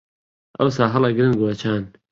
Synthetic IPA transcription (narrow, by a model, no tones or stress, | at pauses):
ʔɐ̰wsaːɦɐlɐɡɾɨnɡoɐt͡ʃʰaːn